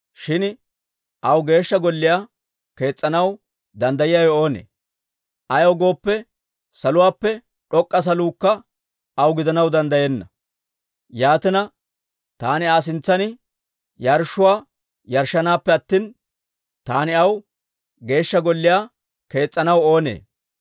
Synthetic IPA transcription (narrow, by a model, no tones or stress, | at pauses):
ʃɪn | ʔɐwɡe̞ːʃːɐɡɔlːɪjaː | ke̞ːt͡sʼːɐnɐw | d̪ɐnd̪ɐjɪjaːjɔo̞ːnḛː | ʔɐjoɡo̞ːpːɛ | sɐlʊwaːpːɛ | ᶑɔkʼːɐs̬ɐluːkːɐ | ɐwɡɪd̪ɐnɐwd̪ɐnd̪ɐjeːnːɐ | jaːt̪ɪnɐ | t̪aːnɪaːs̬ɪnt͡sːɐnɪ | jɐɾʃːʊwaː | jɐɾʃːɐnaːpːɛɐt̪ːiːn | t̪aːnɪɐw | ɡe̞ːʃːɐɡɔlːɪjaː | ke̞ːt͡sʼːɐnɐwo̞ːnḛː